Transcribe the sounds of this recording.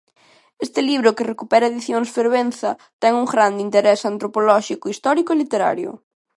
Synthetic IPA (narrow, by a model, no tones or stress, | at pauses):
est̪ɪliβɾokerekupɛɾɐeðiθjoŋsfeɾβen̟θɐt̪ɛŋuŋɡɾand̪int̪eɾɛsant̪ɾopolɔʃikoist̪ɔɾikoelit̪eɾa̰ɾjʊ̰